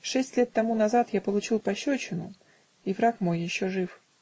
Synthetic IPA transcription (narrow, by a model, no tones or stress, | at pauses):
ʂɛsʲtʲlʲet̪ːɐmunɐzat̪japəlˠʊt͡ɕilˠpɐɕːot͡ɕɪnʊ̰ | ivɾakmo̞jːɪɕːoʐɨf